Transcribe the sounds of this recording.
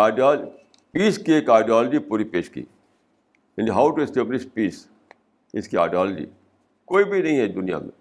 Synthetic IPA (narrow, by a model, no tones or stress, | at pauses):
aɪɖiɔːl | piːskieːkaɪɖiɔːləd͡ʒipuːɾipeːʃkḭː | ɛ̃nɖiɦaʊʈuɛsʈeːblɪʃpiːs | ɪskia̰ːɪɖiɔːld͡ʒḭ | koːibʱinɐɦĩɦɛd̪ʊnija̰mḛ̃